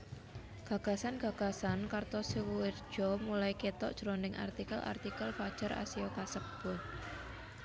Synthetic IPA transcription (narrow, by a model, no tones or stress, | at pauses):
ɡ̥ä̤ɡ̥a̤sanɡ̥a̤ɡ̥a̤sankart̪ɔsewuɪr̥ʒ̥ɔmulajket̪ɔʔd̥ʒ̥ɾonɪŋʔa̰rt̪ikəlʔa̰rt̪ikəlfad̥ʒ̥a̤ɾʔa̰siɔkasək̚b̥ʊt̪